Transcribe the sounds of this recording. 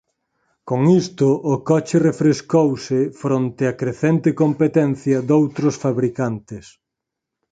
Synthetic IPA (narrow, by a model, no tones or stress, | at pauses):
koŋist̪ʊʔːkɔt͡ʃɪrefɾeskowsɪfɾont̪ɪɐkɾeθent̪ɪkompet̪ɛnθjɐd̪owt̪ɾʊsfaβɾikant̪ɪs